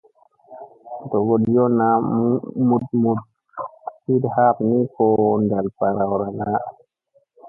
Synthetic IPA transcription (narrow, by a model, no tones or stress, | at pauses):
dɔɡɔdjɔna | mud̚mud̚ | kidhap̚nikɔndalpaɾawɾanaʔ